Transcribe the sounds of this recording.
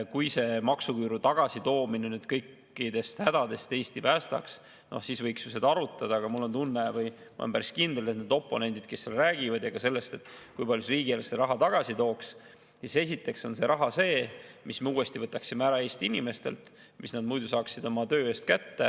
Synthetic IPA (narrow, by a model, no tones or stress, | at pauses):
kujse̞mɑksukyːɾut̪ɑɡ̥ɑsit̪o̞ːminenyd̪̥kɤjkːˑ | id̪̥e̞st̪hæd̪̥ɑd̪e̞st̪e̞ːst̪ipæːst̪ɑ̰ks | no̞̰hsiːsvɤjksuse̞d̪ɑɑɾut̪ːˑɑd̪̥ɑːɡ̥ɑmulːo̞nt̪unːe̞vɤjmṵlompæɾiskind̪elet̪ned̪o̞pˑːo̞̰ne̞nd̪̥id̪̚ke̞sːelræːɡ̥ivɑd̪jɑɡ̥ɑse̞lːe̞st̪e̞t̪ːˑkujpɑljusriːɡieleseɾɑɦɑt̪ɑɡ̥ɑsit̪o̞ːks | sise̞s̬ʲit̪ːˑe̞kso̞nse̞ɾʔɑɦɑse̞ːmismeuːe̞st̪ivɤt̪ːˑɑksimeæɾɑe̞ːst̪iinʲime̞st̪e̞̰lt̪ | misnɑd̪̚mujd̪usɑːksid̪o̞mɑt̪ø̞ːeːst̪̚kæt̪ːe